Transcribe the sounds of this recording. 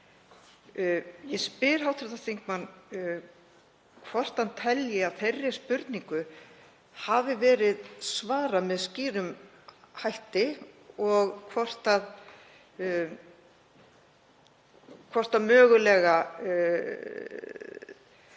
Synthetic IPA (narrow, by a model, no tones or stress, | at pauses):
jɛspɪɾ̥ɦawt̪ʰɾʏθaθiŋkmanː | kʰvɔr̥t̪ant̪ʰɛljɪaðθerːɪ̥spʏɾt̪niŋkʏ | havɪvɛːɾɪðsvaːɾamɛðsciːɾʏm | hajht̪ɪɔɣkʰvɔr̥t̪að | kʰvɔr̥t̪aðmœːɣʏlɛːɣa